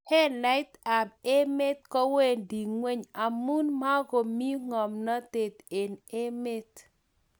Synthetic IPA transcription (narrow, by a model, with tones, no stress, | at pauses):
hɛ˦la˦ɪ˦t̪a˨be˦me˦t̪kɔ˦we˦˨ndi˨ŋwe˦ɲa˨mu˦nma˦ɡo˨mi˦ŋɔ˨mnɔ˦t̪e˨t̪e˨ne˦me˦t̪